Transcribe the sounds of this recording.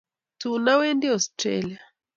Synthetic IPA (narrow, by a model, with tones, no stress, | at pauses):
tu˨na˦wɛ˦ndi˦ɔ˨stɾɛ̰lia˨